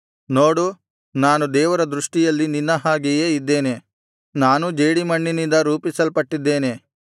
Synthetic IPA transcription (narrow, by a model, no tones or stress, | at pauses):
noːɽu | naːnud̪ɛːʋɐɾɐd̪ɾuʂʈijɐlːininːɐɦaːɡijeːid̪ːe̞ːne̞ | naːnud͡ʒeːɽimɐɳːinind̪ɐɾuːpisɐlpɐʈːid̪ːe̞ːne̞